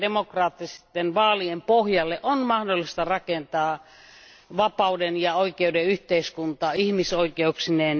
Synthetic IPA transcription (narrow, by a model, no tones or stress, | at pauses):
demokrɑːt̪ːist̪ːenʋɑːliempohjɑlːeʔonmɑhdolːist̪ɑrɑkent̪ɑː | ʋɑpɑudenjɑoikeudeyht̪eiskunt̪ɑːihmisoikeuksineːn